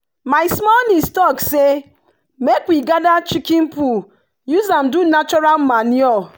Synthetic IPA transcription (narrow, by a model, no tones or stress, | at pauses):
maɪsmɔlnistɔkse | mekwiɡadat͡ʃikĩnpu | juzamdunat͡ʃɔɾalmanjɔl